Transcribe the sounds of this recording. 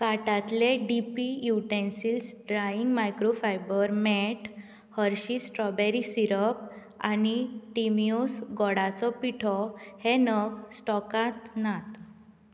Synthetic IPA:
kaʈat̪leɖipijuʈensilsɖɾaiŋɡmajkɾofajbəɾmɛʈ | həɾɕisʈɾɔbeɾisiɾəp̚ | a̰niʈimiosɡɔɽat͡sɔpiʈʰɔhenəɡsʈɔkat̪nat̪

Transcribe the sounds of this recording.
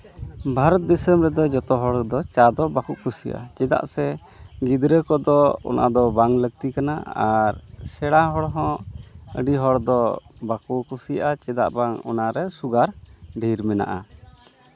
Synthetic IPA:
bʱaɾɔt̪̚d̪ɛsəmɾɛd̪ɔd͡ʒɔt̪ɔɦɔɽd̪ɔt͡ʃad̪ɔbakuʔkʰusijaʔa̰t͡ʃɛd̪a̰ʔsɛ | ɡid̪ɾəkɔd̪ɔɔ̰nʔa̰d̪ɔbaŋləɡ̚t̪ikana̰a̰ɾsɛɽaɦɔɽɦɔ̃ə̰ɖiɦɔɽd̪ɔbakukusijaʔat͡ʃɛd̪a̰ʔbaŋɔ̰naɾɛsuɡaɾɖʱiɾmɛna̰ʔa

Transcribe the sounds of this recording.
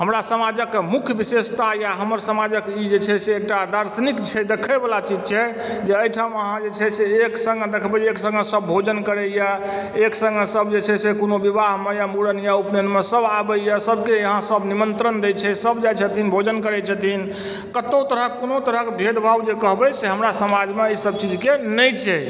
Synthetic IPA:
ɦəmɾasəmad͡ʒəkmukʰjəbisest̪ajaɦəməɾsəmad͡ʒəkid͡ʒet͡ʃʰɛseːk̚ʈad̪əɾsənikt͡ʃʰɛd̪ekʰəbelat͡ʃid͡ʒt͡ʃʰɛ | d͡ʒeəjʈʰaməɦãd͡ʒet͡ʃʰɛseeksə̃ŋɡd̪ekʰbɛd͡ʒeksə̃ŋɡesəbːʱod͡ʒənkəɾɛja | eksə̃ŋɡsəbd͡ʒet͡ʃʰɛsekonobibaɦmejamuɽənjaupnenmesəbabəjasəbʱkejəɦãsəbnimənt̪ɾənd̪et͡ʃʰɛsəbd͡ʒajt͡ʃʰət̪inbʱod͡ʒənkəɾɛt͡ʃʰət̪in | kət̪ot̪əɾəkːonot̪əɾəɦkebʱed̪bʱawd͡ʒekəɦbɛseɦəmɾasəmad͡ʒmeisəb̚t͡ʃid͡ʒkenəjt͡ʃʰɛ

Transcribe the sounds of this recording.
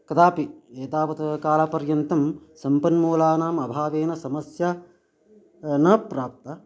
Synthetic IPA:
kɐd̪aːpieːt̪aːʋɐt̪ɐkaːlɐpɐɾjɐnt̪ɐmsɐmpɐnmuːlaːnaːmɐbʱaːʋeːnɐsɐmɐsja | nɐpɾaːp̚t̪ɐ

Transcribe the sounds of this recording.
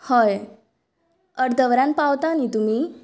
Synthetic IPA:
hɔj | əɾd̪ʱəʋɾãn̚pawt̪anit̪um̤iː

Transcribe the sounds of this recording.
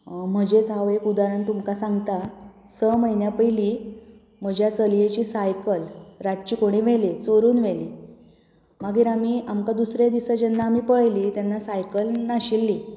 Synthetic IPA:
m̤əd͡ʑet͡saʋekud̪aɾəɳt̪umkasaŋɡt̪a | səməjnjapəjliː | m̤əd͡ʑʱjat͡səljet͡ɕiːsajkəlɾat̪̚t͡ɕiːkoɽ̃iːʋelet͡soɾuːnʋeliː | maɡiːɾamiːʔamkad̪usɾed̪isəd͡ʑenːaːmiːpəɭliːt̪janːasajkəlnaɕilːiː

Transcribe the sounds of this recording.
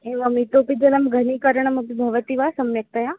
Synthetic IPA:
ẽʋɐmit̪oːpid͡ʒɐlɐmɡʱɐnikɐɾəɳ̃ɐmɐpibʱɐʋət̪iʋasɐmːɐk̚t̪ɐja

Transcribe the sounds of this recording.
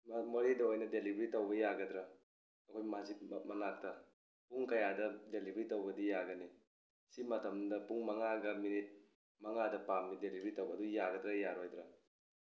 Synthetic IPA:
mmɐɾidɐojnɐdelibɾitɐwbɐjaɡɐdɾɐ | ɐkʰojmazimɐnak̚tɐ | puŋkɐjadɐdelibɾitowbɐdijaɡɐni | simɐtʰɐmdɐpuŋmɐŋaɡɐminit̚ | mɐŋadɐpamnidelibʱɾitowbɐdujaɡɐdɾɐjaɾojd̪ɾɐ

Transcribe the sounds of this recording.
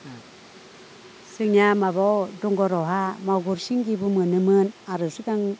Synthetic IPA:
sɯkŋnjamabawdɔŋɡɔɾɔɦamawɡuɾsiŋɡibumɯnɯmɯnaɾɯsɯɡaŋ

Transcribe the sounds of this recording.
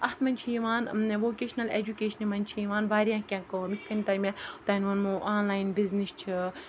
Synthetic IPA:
ɐht̪mɐnʲt͡ʃʰijiʋaːnʋoːkʲeːʃnɐled͡ʒukʲeːʃɐnimɐnʲt͡ʃʰijiʋaːnbaːɾʲijãkʲãkomit̪̚ʰkɐnit̪ɐmʲãt̪aːnʲʋɐnmoʔaːnlaːjinbiznist͡ʃʰi

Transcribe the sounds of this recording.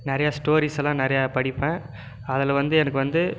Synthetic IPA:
nɪɾɐjaːsʈoːɾiːsɛlãːnɪɾɐjaːpɐɽɪpːẽː | ɐðɪlʋɐnd̪ɯɛnɐkːɯʋɐnd̪ɯ

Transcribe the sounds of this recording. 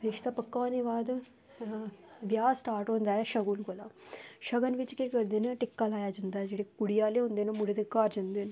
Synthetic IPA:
ɾɪʃt̪aːpəkːaːnɪʋaːd̪ | ʋjaːsʈaːɾʈɦõːnd̪aːɦɛːʃəɡulɡolaːʃəɡənʋɪt͡ʃkiːkəɾd̪eːneʈɪkːaːlaːjaːd͡ʒãːnd̪aːɦɛd͡ʒeːɽeːkʊɽijaːleːɦʊ̃nd̪eːnõmʊɽeːd̪ekaːɾd͡ʒãːnd̪eːnː

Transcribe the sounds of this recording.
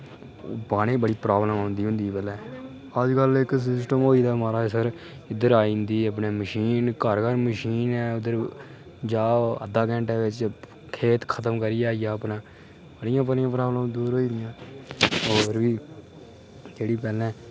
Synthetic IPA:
paːɽ̃eːbəɽiːpɾaːbləmãːnd̪iːʊ̃nd̪iːbəlɛ̃ː | əd͡ʒkəlɪks̬ɪsʈəmɦoːiːd̪aːmaːɾaːsəɾ | ɪd̪əɾaːĩːnd̪iːəp̬neːməʃiːnkəɾkəɾməʃiːnɛːʊd̪əɾ | d͡ʒaːə̰d̪aːkɛ̃ːɳʈɛːʋɪt͡ʃ | kʰeːt̪kʰət̪əmkəɾɪjaːɪjaːəpnãː | bəɽɪjãːpəlɪjãːpɾaːbləmd̪uːɾɦoːiːd̪ɪjãː | oːɾʋiː | d͡ʒeːɽiːpɛːlɛ̃ː

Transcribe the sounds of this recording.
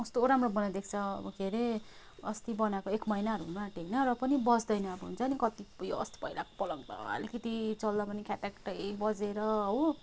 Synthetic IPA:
ʌst̪oɾamrobʌnad̪ek̚ʰt͡sʰʌʌ̰ʌɡʱeɾe | ʌst̪ibʌnakoekmʌjnaɦʌɾuɦunmaʈejnʌrʌpʌnibʌd͡zd̪ʌjnʌːbʌɦṵnt͡sʰʌnikʌt̪ijoʌ̰st̪i̥pʌilako̥pʌlʌŋd̪ʌ̰ʌ̰likʌt̪it͡sʌld̪apʌnikʰatakʈʌbʌd͡zeɾʌɦo

